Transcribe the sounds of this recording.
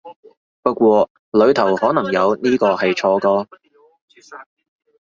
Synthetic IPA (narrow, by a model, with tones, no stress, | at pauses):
pɐ˥t̚kwɔː˧ | lɵ˨˧ɥt̪ʰɐ˨˩whɔː˨˥nɐ˨˩ŋjɐ˨˧wniː˥kɔː˧hɐ˨jt͡ʃʰɔː˨˧kɔː˧